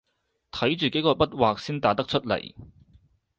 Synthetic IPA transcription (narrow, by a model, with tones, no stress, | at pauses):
t̪ʰɐ˨˥jt͡ʃyː˨ke˨˥jkɔː˧pɐ˥t̚waː˨k̚siː˥nt̪aː˨˥t̪ɐ˥k̚t͡ʃʰɵ˥t̚lɐ̰˨˩j